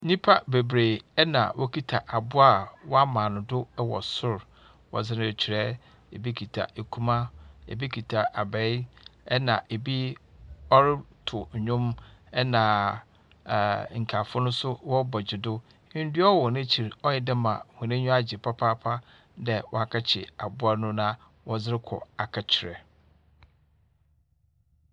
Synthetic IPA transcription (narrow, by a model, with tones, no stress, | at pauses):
nĩ˦pʰa˦be˨bɾe˨ɛ˦nã̰˨wʔɔ˦kʰi˦tʰa˨ʔa˨bʊ˦a˦wɔ˦a˦mãː˨nʊ̃˨dʊ˦wɔ̰˨sʊ˦ɾ | wɔ̰˨zɪ˦nʊ̃˦˨t͡ɕʰᶣi˨ɾɛ˦ | e˨bi˦kʰi˨tʰa̰˨e˨kʰu˦mã˦ḛ˨bi˦kʰi˨tʰa˨ʔa˨bɛ˨˦ɛ˦nã˨ʔe˨bi˦ | ɔ˦ɾɪ˦tʰʊ˨ɲ˨ɲʊ̃˦mɛ˦nã˨ | ŋ̩˨kʰa˨fʊ˦nʊ̃˦sʊ˦wɔ˦bɔ˨d͡ʑɪ˨dʊ̃˦ | n̩˦dɥɔ˦wɔ˨nɪ̃˦t͡ɕʰi˨ɾɔ˦jɪ˦˨dɪ˦mã̰˨hʊ̃˨nɪ̃˦ɲᶣʊ̃˦a˦d͡ʑɪ˨pʰa˦pʰa˦pʰa˦ | dɛ˦wɔ̰˦a˨kʰa˦t͡ɕʰɪ˨a˨bʊ˦a˦nʊ̃˦nã˦ | wɔ˦zɪ˦ɾɪ˦kʰɔ̰˨a˨kʰa˨t͡ɕʰɪ˨ɾɛ̰˨